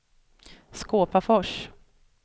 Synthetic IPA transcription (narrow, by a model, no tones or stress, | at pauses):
skoːpafɔʂ